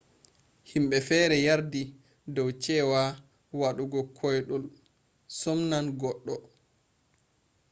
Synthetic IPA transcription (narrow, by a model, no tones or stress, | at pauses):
himɓɛfɛːɾɛjaɾdi | dɔwt͡ʃɛːwa | waɗuɡɔkʰɔjɗɔl | sɔmnanɡɔɗːɔ